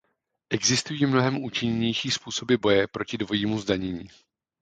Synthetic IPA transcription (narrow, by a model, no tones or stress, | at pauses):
ʔɛɡzɪst̪ujiːmno̞ɦɛmʔuːt͡ʃɪɲɛɲɛjʃiːspuːso̞bɪbo̞jɛpɾo̞cɪdvo̞jiːmuzdaɲɛɲiː